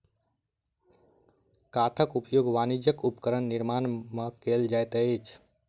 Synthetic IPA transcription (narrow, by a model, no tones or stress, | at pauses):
kaʈʰəkupjoɡʋanid͡ʒjəkupkəɾənːiɾmanmekeld͡ʒajt̪ət͡ʃʰ